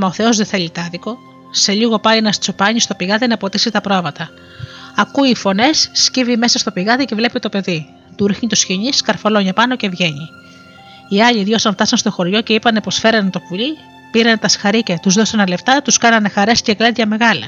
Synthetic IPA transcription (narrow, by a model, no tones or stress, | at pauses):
mɐoθe̞o̞zðeθe̞ʎit̪ɐðiko̞ | se̞ʎiɣo̞pɐjnɐst͡so̞pɐɲist̪o̞piɣɐðinɐpo̞t̪isit̪ɐpɾoovɐt̪ɐ | ɐkuiːfo̞ne̞sːcivime̞sɐst̪o̞piɣɐðice̞vle̞pit̪o̞pe̞ði | t̪uɾixɲit̪usçiɲiskɐɾfoloɲɐpɐno̞ce̞vʝe̞ɲi | iɐʎiðʝo̞xsɐnft̪ɐsɐnst̪o̞xo̞ɾʝo̞ce̞ipɐne̞po̞sfe̞ɾɐnt̪o̞puʎi | piɾɐnet̪ɐsxɐɾicɐt̪uzðo̞sɐnɐle̞ft̪ɐt̪uskɐnɐnexɐɾe̞sceklɐd̪ʝɐme̞ɣɐlɐ